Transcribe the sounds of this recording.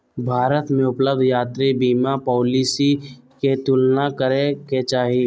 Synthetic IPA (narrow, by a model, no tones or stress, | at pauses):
bʱaːɾət̪mẽʊpləb̚d̪ʱjaːt̪ɾibiːmapɔːliːsiket̪ʊlnakəɾeket͡ʃaːɦi